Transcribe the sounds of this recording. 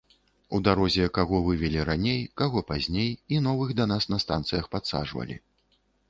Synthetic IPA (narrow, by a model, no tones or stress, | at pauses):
ud̪aɾɔzʲɛkaɣɔvɨvʲɛlʲiɾanʲejkaɣɔpazʲnʲejinɔvɨxd̪ɐnasnɐst̪a̰nt̪sɨjɐxpat̪sa̰ʐvɐ̰lʲḭ